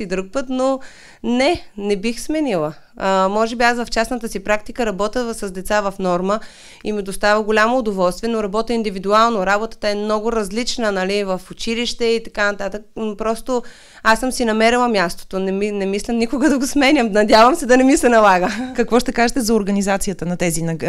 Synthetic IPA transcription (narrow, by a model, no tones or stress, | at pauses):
id̪ɾuk̚pət̪no | nɛnɛbixsmɛnilˠə | əmɔʒɛbiasvɐft͡ʃasnət̪əsipɾak̚t̪ikəɾɐbɔt̪əsɐzd̪ɛt̪savɐfnɔɾmə | imid̪ost̪avəɡolʲamoːd̪ovɔlˠst̪vʲiɛnoɾɐbɔt̪əind̪ivid̪ualˠnoɾabot̪ə̥t̪əɛmnɔɡʊɾɐzlit͡ʃnənɐlivɐfʊt͡ʃiliʃt̪ɛit̪ɐ̥kanɐt̪at̪ək̚npɾɔst̪o | asːəmsinɐmɛɾilˠəmʲjast̪o̥t̪onɛminɛmislʲɛmnikʊɡəd̪ɐɡosmɛnʲjəmnɐd̪ʲjavəmsɛd̪ɐnɛmisɛnɐlˠaɡəkɐkvɔʃt̪ɛkaʒɛt̪ɛzɐoɾɡɐnizat̪sijət̪ənɐt̪ɛzinɐɡ